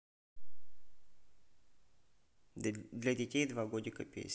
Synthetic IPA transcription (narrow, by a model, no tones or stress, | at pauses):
d̪lʲɐdʲɪtʲejd̪vaɡodʲɪkɐpʲḛsʲ